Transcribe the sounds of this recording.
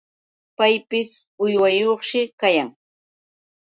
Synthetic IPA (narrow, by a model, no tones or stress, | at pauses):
pajpɪsʊjwajoχʃɪkajaŋ